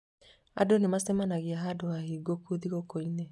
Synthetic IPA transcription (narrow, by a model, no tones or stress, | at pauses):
a̰donemasɛmanaɣeaɦadoahiːɡokuðiɣokoine